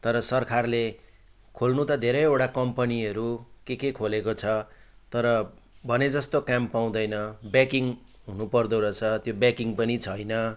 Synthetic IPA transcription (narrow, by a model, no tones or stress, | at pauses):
t̪ʌɾʌsʌrkʰarle | kʰolnut̪ʌd̪ʱeɾʌjewʈakʌmpʌniʌɾukekekʰolekot͡sʰʌ | t̪ʌɾʌ | bʱʌned͡zʌst̪okampːaw̃d̪ʌjnʌbakiŋ | ɦunupʌrd̪oɾʌt͡sʰʌt̪jobakiŋpʌnit͡sʰʌjnʌ